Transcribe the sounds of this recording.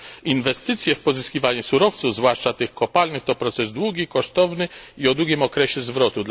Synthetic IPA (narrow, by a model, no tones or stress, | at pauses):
invɛst̪ɘt̪sʲjɛfpɔzɘskʲivaɲɛsuɾɔft̪suvzvwaʂt͡ʂat̪ɘxkɔpalnɘxt̪ɔpɾɔt̪sɛzd̪wuɡʲikɔʂt̪ɔvnɘiɔd̪wuɡʲimɔkɾɛɕɛzvɾɔt̪ud̪